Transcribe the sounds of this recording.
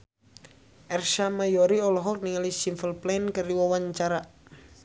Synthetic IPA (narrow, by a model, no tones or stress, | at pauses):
ʔɛrʃamajɔɾiɔlɔɦɔk̚niŋalisimfəlplankəɾiwawaɲt͡ʃaɾa